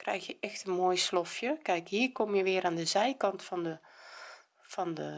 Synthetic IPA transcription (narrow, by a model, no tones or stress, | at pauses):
krɛ̰jxjəʔɛxtənmoːjslofjəkɛjkɦiərkomjəʋɪəɾaːndəzɛjkɑntfɔndə | fɔndə